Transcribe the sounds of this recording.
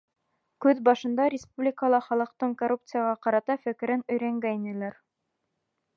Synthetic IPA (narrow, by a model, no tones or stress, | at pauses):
kʉðbɑʃɤ̆nd̪ɑɾʲɪspublʲɪkəlˠɑχɑlˠɤ̆q̚t̪ɤɴkorup̚t̪sɨjɑʁɑqɑɾɑt̪ɑfɘ̆kɘ̆ɾɘnɵ̆jɾæŋɡæinɘ̆læɾ